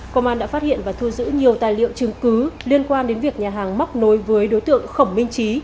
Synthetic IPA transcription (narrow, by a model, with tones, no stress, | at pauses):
ko˧ŋ͡mʔaː˧nɗa̰ː˧˥fa˦˥t̚hḭ˧˨ənvaː˨˩t̪ʰu˧zɨ̰˧˥ɲi˨˩əwt̪aː˨˩jlḭ˧˨ə˨wt͡ɕɨ˨˩ŋkɨ˨˦li˧ənkwaː˧nɗe˨˦nvi˨˩ək̚ɲaː˨˩ɦaː˨˩ŋma˦˥wk͡p̚no˨˦jvəː˨˦jɗo˨˦jt̪ɨ̰˧˨əŋxə˧˩wŋ͡mmï˧ŋ̟t͡ɕi˨˦